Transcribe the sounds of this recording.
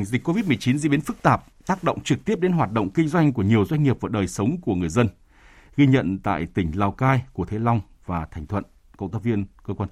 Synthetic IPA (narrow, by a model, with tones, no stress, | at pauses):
ŋzi˨˩k̟kːo˧vi˦˥t̚mɨ˨˩ət͡ɕi˨˦nzḭ˧˥ɓi˨˦nfɨ˦˥k̚t̪aː˨˩p̚t̪aː˦˥k̚ɗo̰˧˨wŋ͡mt͡ɕɨ˨˩k̚t̪i˦˥əp̚ɗe˨˦nɦwaː˨˩t̚ɗo̰˧˨ŋ͡mkï˧ŋ̟zwa˧jŋ̟ku˧˩əɲi˨˩əwzwa˧jŋ̟ŋi˨˩əp̚vaː˨˩ɗəː˨˩jsə˨˦wŋ͡mku˧˩əŋɨ˨˩əjzə˧n | ɣi˧ɲə̰˧˨nt̪a̰ː˧˨jt̪ï˧˩ŋ̟laː˨˩wkaː˧jku˧˩ət̪ʰe˨˦la˧wŋ͡m | vaː˨˩t̪ʰɛ˨˩jŋ̟t̪ʰwə̰˧˨n | kə̰˧˨wŋ͡mt̪ʰa˧vi˧ənkəː˧kwaː˧